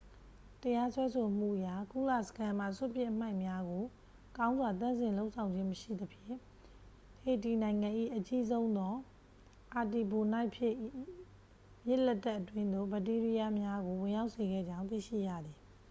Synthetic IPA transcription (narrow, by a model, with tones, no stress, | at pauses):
təja˦swɛ˦sʰo˨m̥ṵ˦˨ʔəja˦˨ku˦˨la̰˦˨sə̥kʰã˦m̥ä̰˦˨sʊ˦˨pjɪ̃˦˨ʔəm̥a˦ɪ̃mja˦ɡo˨ | kã˦ʊ̃nzwa˨t̪̬ã˦˨nzɪ̃˨lo˦ʊʔsʰã˨ʊ̃ɲd͡ʑɪ̃˦məʃḭ˦˨d̪əpʰjɪ̃˦˨ | he˨ti˨nã˨ɪ̃ŋɡã˨ʔḭ˦˨ʔət͡ɕi˦zõ˦ʊ̃nd̪ɔ˦ | ʔa˨ti˨bo˨na˦ɪpʰjɪ˦˨ʔ | jɪ˦ʔlɛ˦tːɛ˦ʔːətwɪ̃˦nd̪o̰˦˨bə˨t̬i˦ɹi˦ja˦mja˦ɡo˨wɪ̃˨ja˦ʊʔse˨ɡɛ̰˦˨d͡ʑã˦ʊ̃nt̪ḭ˦˨ʃḭ˦˨ja̰˦˨d̪ði˨